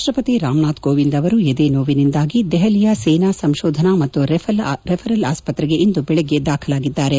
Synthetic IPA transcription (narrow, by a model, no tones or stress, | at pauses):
ʃʈɾɐpɐt̪iɾaːmɳaːt̪ɡoːʋind̪ɐʋɐɾued̪eːnoːʋinind̪aːɡid̪ɛɦɐlijaseːnasɐmʃoːd̪ʱɐnamɐt̪ːuɾʰɾɛpʰɐɾɐla̰ːspɐt̪ɾɛɡe̞ʔind̪ubɛɭeɡːed̪aːkʰɐlaːɡid̪ːaːɾe